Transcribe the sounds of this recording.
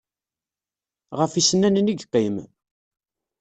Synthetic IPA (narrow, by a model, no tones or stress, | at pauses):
ʁəfisənːænniɡqːim